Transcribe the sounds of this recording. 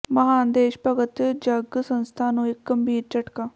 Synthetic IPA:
məɦaːnd̪eːʃpəɡət̪d͡ʒəɡsənst̪ʰaːnũːɪkɡəmbiːɾt͡ʃəʈkaː

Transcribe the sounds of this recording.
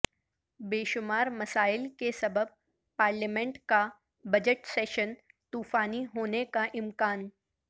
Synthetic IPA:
beːʃʊmaːɾmɐsaːɪlkesɐbəb̚ | paːɾləmẽɳʈka | bɐd͡ʒəʈseːʃən | t̪uːfaːniɦoːnekaʔɪ̃mkaːn

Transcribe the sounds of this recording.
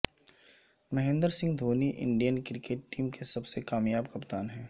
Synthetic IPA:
mɐɦẽːnd̪əɾsɪ̃ŋɡd̪ʱoːniʔɪ̰̃ɳɖijənkɾɪkeːʈːiːmkesɐbsekaːmjaːbkɐpt̪aːnɦɛ̃ː

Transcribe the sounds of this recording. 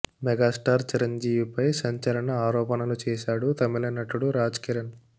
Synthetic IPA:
mɛɡaːsʈaːɾt͡ʃiɾɐɲd͡ʒiːʋipɐjsɐɲt͡ʃɐlɐɳɐaːɾɔːpɐnɐlut͡ʃɛːʃaːɽut̪ɐmilɐnːɐʈːuɽuɾaːd͡ʒkiɾɐn

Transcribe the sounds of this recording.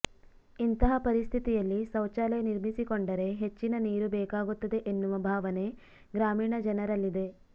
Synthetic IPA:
int̪ɐɦɐpɐɾist̪ʰit̪ijɐlːisɐwt͡ʃaːleniɾmisikoɳɖɐɾe̞ɦet͡ʃːinɐniːɾubɛːkaːɡut̪ːɐd̪e̞ʔenːuʋɐbʱaːʋɐne̞ | ɡɾaːmiːɳɐd͡ʒɐnɐɾɐlːid̪e̞

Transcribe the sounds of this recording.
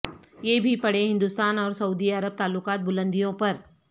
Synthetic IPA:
jeːbʱipɐɽeɦɪ̃nd̪ust̪aːnɔːɾsɐuːd̪iɐɾəb̚t̪aːlːʊkaːt̪̚bʊlə̃nd̪ijõpɐɾ

